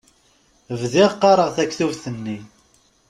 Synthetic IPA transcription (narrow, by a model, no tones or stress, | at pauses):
əvðɪʁqːɑɾˤəʁθækːθuvθənːi